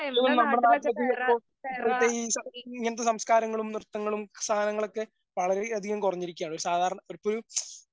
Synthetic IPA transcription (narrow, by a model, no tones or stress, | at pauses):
ðuɣoɳːnɐmːɐɭnaːt̪ːɐt̪ːipːoː | iɐt̪ːeisɐiŋːɐnɐt̪ːesɐmskaːɾɐŋːɐɭumnirt̪ːɐŋːɐɭumst̪ʰaːnɐŋːɐɭo̞kːe | ʋɐɭɐɾe̞ɐd̪ʱiɣɐmkurɐɲːiɾikʲuːaːɳoɾusaːd̪ʱaːɾɐɳɐoɾupːoɾu